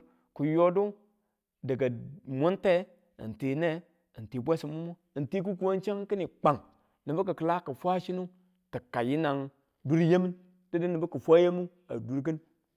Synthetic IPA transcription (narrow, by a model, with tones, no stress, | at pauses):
ku˨jo˦du˦ | də˨ɡa˨mʷo˦nte˦ | ḭ˨nti˨ne˦ | i˨n˨ti˨bʷe˦si˨mu˦mo˦˨n˨ti˦ku˦ku˨˦a˦nt͡ʃe˦ŋki˦ni˨k͡pa˨ŋ | ni˨bə˦k̬ə˨kə˨la˦kə˨fʷa˦ʃi˦nu˦ | tə˨ka˨ji˦na˨ŋ | du˦ɾje˦mi˦n | də˦di˦ni˨bə˦kə˨fʷa˦je˦mu˦ | a̰˨du˨ɾɡi˦n